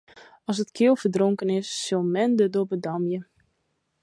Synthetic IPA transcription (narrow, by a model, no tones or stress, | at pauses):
ɔs̬ətkʰɪəlˠfədroŋkənɪsːolˠmɛndədobədɔmjə